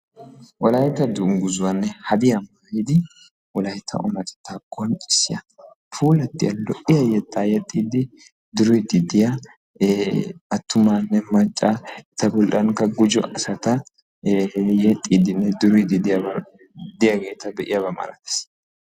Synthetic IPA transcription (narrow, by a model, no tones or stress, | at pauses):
ʔɔlɐjt̪ɐd̪ʊŋɡʊzʊwɐnːɛhɐd̪ɪjɐmaːjɪd̪ɪ | ʔɔlɐjt̪ʰːɐ̰ʔʊmɐt̪ɛ̥t̪ːaːɡɔnt͡ʃʼɪ̥sːɪjɐ | fʰuːlɐt̪ːɪjɐlɔʔɪjɐjɛt̪ːaːjɛt̪ʼːiːd̪ɪ | d̪ʊɾʊjd̪ɪd̪ɪja | ɐt̪ːʊmanːɛmɐt͡ʃʼːaɛt̪ːɐbɔlʔɐŋkːɐɡʊd͡ʒɔ̰ʔɐsɐt̪ɐ | jɛt̪ʼːiːd̪ɪnːɛd̪ʊɾʊjd̪ɪd̪ɪjɐbɐ | d̪ɪjɐɡe̞ːt̪ɐbɛʔɪjɐbɐmɐ̰ɾɐt̪ɛ̥s